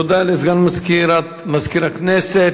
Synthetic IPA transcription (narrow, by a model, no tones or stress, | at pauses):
od̪alizɡanmazkiɾat̪ | mazkiɾaknese